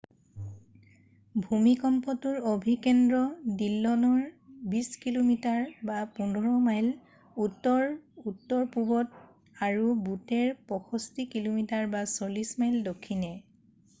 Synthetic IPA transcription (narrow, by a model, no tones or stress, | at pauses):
bʱumikɔmpɔtʊɹobʱikɛndɹɔdilːɔnɔɹbiskilomitaɹbapundʱɔɹɔmajl | utːɔɹutːɔɹpubɔt | aɹubutɛɹpɔxʰɔstikilomitaɹbasolismajldokʰːinɛ